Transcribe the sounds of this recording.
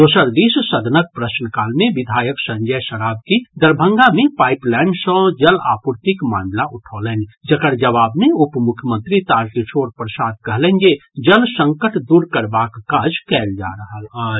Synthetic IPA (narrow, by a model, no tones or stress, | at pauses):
d̪oːsəɾd̪issəd̪ʱnək̚pɾəsnəkaːlmeʋid̪ʱaːjəksə̃ɲd͡ʒəjsəɾabkid̪əɾbʱə̃ŋɡamepajiplɛːɳɖsə̃d͡ʒəlaːpuɾt̪ikmãɳɖlaʔuʈʰɔlɛn̆d͡ʒəkəɾd͡ʒəʋaːbmeupmukʰjəmə̃nt̪ɾit̪aɾʈit͡ʃʰoɾpɾəsaːd̪̚kəɦlɛnd͡ʒed͡ʒəlsə̃ŋkəʈd̪uɾkəɾbakkad͡ʒkɛld͡ʒa̰ɾəɦəla